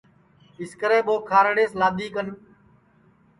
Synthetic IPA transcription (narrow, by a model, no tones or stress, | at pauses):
ɪskəɾẽːɓoːkʰaːɾɽeːslaːd̪iːkən